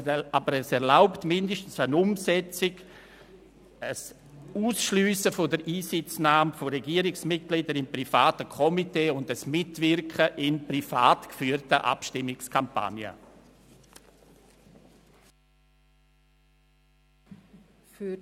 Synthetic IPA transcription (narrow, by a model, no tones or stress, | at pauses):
abəɾɛsɛɾlaʊptmɪndəʃtn̩sənʊmsɛt͡sɪɡ | əs | uːsʃlyːsəfodəɾʔiːsɪt͡snaːmfoɾɛɡiːəɾɪksmɪt̚ɡ̥lidəɾɪmpɾifaːtəkʰɔmiteːʊndəsmɪtvɪɾkχəʔɪnprifaːtkfyːɾtəʔa̰pʃtɪmːɪkskʰampa̰njə̰ | f